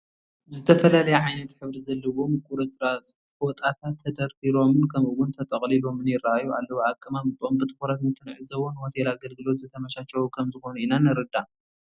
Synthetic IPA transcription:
zɨt̪ʰɐfɐlalɐjaʕajnɐt̪ħɨβɾizɐlːɐwo̞mɨkʼuɾɐsɾas | fwɔt̪ʼat̪ʰat̪ʰːɐd̪ɐɾbiɾo̞mɨnkʰɐmɨwʊnt̪ʰɐt̪ʼɐχʼlilo̞mɨnjɪraajuʔa̰lːɐwoʕakʼːɨmamɨt̪ʼombɨt̪ʰʼɨ̥xuɾat̪mɨt̪ʰːɨnʕɨzɐwonho̞t̪ʰelaːɡɐlɡɨlo̞t̪zɨt̪ʰɐmɐʃat͡ʃɐwukʰɐmzɨxo̞nuinanɐɾɨd̪a

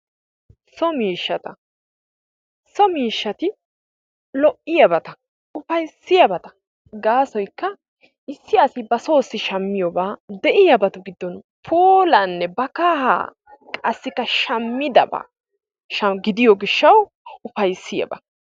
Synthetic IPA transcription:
sɔmiːʃːɐt̪ɐ | sɔmiːʃːɐt̪ɪ | lɔʔɪjɐbɐt̪ɐ | ʊfɐjsːɪjɐbɐt̪ɐ | ɡaːsɔjkːɐ | ʔɪsːɪɐsɪbɐso̞ːsːɪʃɐmːɪjɔbaːd̪ɛʔɪjɐbɐt̪ʊɡɪd̪ːɔn | pʰoːlɐnːɛbɐkaːɦa̰ | kʼɐsːɪkːɐʃɐmːɪd̪ɐ̰ba̰ː | ʃɐɡɪd̪ɪjɔɡɪʃːɐw | ʊfɐjsːɪjɐ̰bɐ

